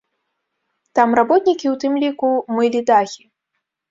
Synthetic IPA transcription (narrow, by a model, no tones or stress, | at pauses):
t̪amrabɔt̪nʲikʲiwt̪ɨmlʲikumɨlʲid̪axʲi